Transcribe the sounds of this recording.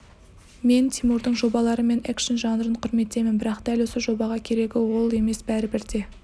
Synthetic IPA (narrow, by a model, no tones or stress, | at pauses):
me̞nt̪ʰʲimuɾd̪əɴʒo̞bɑlˠɑɾəme̞nekʃənʒɑnəɾəɴqʰʊɾme̞t̪e̞mɪnbɪɾɑqd̪̥ælwo̞səʒo̞bɑʁɑkʲʰe̞ɾe̞ɡʲɪwo̞lˠe̞me̞sbæɾɪbɪɾd̪e̞